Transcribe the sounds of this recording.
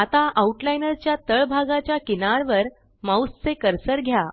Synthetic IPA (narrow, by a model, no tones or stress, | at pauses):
at̪aʔauʈlajnəɾt͡ɕjat̪əɭbʱaɡat͡ɕjakinaɾʋəɾ | mawst͡sekəɾsəɾɡʱja